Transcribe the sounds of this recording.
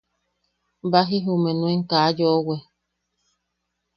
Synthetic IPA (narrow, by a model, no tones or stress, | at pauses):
baɦiɦumenũeŋkajowe